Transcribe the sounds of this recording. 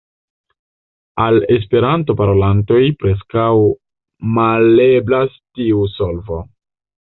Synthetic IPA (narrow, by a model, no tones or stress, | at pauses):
ale̞s̬pe̞ɾanto̞paɾo̞lanto̞jpɾe̞skaw | maleblastiuso̞lvo̞